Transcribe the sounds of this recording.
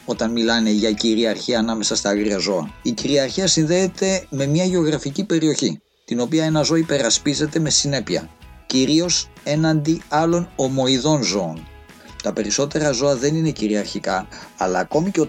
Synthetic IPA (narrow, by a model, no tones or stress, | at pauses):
o̞t̪ɐnmilɐne̞ʝɐciɾiɐɾçiɐːnɐme̞sɐst̪ɐɐɣɾiɐzo̞ɐ̰iciɾiɐɾçiɐsinðeːt̪e̞me̞mɲɐʝeo̞ɣɾɐficipe̞ɾio̞çi | t̪ino̞piɐe̞nɐzo̞ɐipe̞ɾɐspize̞t̪e̞me̞sine̞piɐ̰ciɾio̞se̞nɐnd̪iɐlo̞no̞mo̞iðo̞nzo̞ːn | t̪ɐpe̞ɾiso̞t̪e̞ɾɐzo̞ɐðe̞nine̞ciɾiɐɾçikɐ̰ːlɐːko̞miceo